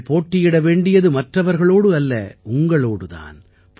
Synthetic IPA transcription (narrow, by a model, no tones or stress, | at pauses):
poːʈːɪjɪɽɐʋeːɳɖɪjɐðɯmɐʈrɐʋɐɾɣɐɭoːɽɯɐlːɐ̰ʊŋɡɐɭoːɽɯða̰ːn | p